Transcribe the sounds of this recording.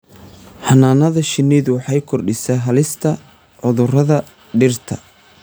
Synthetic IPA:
hɐnaːnɐðɐʃɪnɪðʊwɑħɑjkʰɔrɖɪsɛjɦɐlɪst̪ʰɐ | ʕʊðʊrɐðɐ | ɖɪrt̪ʰɐ̰

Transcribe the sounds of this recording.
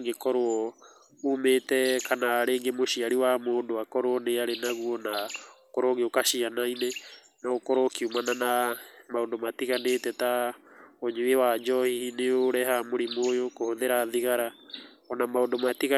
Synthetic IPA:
ŋɡekɔɾoɔ | umetɛkanaːɾeːŋɡemoʃiaɾiwamoːndoakɔɾoɔneaɾenaɣuɔnaokɔɾoɣeokaʃianaine | naokɔɾokiumananamaondomatiɣanetɛta | oɲewewad͡ʒɔhihineoɾɛhamoɾimoːjokohoðeɾaðiɣaɾa | ɔnamaondomatiɣa

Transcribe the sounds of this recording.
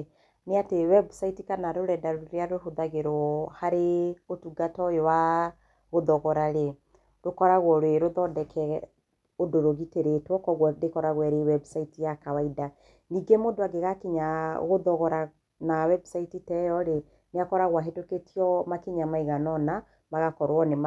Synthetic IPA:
neatewɛbsaitikanaɾoɾɛdaɾoɾeaɾoɦoðaɣeɾɔhaɾeotuɡatɔjewa | ɣoðɔɣɔɾaɾe | ɾokɔɾaɣwɔɾweɾoðɔdɛkʰɛ | odoɾoɣiteɾetwɔkɔɣwɔdekɔɾaɣwɛɾewɛbsaitijakawaida | niɡemodoaɡeɣakiɲa̰ɣoðɔɣɔɾa | nawɛbsaititɛjɔɾe | neakɔɾaɣwaɦetoketʰiɔmakeɲamaiɣanɔna | maɣakɔɾwɔnem

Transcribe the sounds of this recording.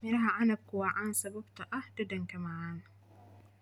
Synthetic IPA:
mɪɾɦaʔanɐb̚kːʊwaʔansɐbʊbtaʔadɐdɐŋkɐmaʕan

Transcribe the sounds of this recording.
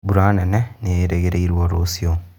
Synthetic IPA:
buɾaːneneneeɾeɣeɾeiɾwoɾosio

